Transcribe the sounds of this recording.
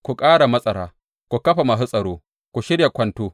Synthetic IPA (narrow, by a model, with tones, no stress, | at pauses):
kʷu˨kʼaː˦ɽa˨mɐ˦sʼɐ˨ɽaː˦ | kʷu˨kɐ˦ɸa˨mɐ˨s̬u˦sʼɐ˨ɽoː˦ | kʷu˨ʃɪ˦ɽja˨kʷɐ˦ntoː˦